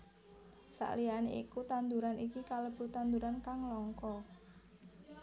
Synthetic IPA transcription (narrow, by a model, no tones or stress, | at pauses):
sa̰ʔlianḛḭkut̪and̪uɾanikikaləb̥ṳt̪and̪uɾankaŋlɔŋkɔ